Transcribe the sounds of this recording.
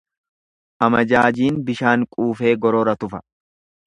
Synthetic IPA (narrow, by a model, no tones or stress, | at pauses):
ʔɐmɐd͡ʒaːd͡ʒiːnbɪʃaːŋkʼuːfe̞ːɡɔɾɔɾɐt̪ʊfɐ̥